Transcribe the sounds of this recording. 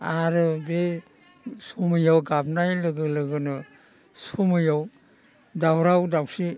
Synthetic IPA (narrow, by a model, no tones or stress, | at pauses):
aɾɯbe | sumɯjawɡap̚najlɯɡɯlɯɡɯnɯ | sumɯjaw | dawɾawdawsi